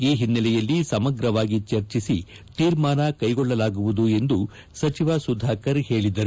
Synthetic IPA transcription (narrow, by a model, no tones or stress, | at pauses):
iːɦinːɐlɛjɐlːisɐmɐɡɾɐʋaːɡit͡ʃɐɾt͡ʃisi | t̪iːɾmaːnɐkɐjɡɔɭːɐlaːɡuʋud̪ue̞nd̪u | sɐt͡ʃiʋaːsud̪ʱaːkɐɾhe̞ːɭid̪ɐɾu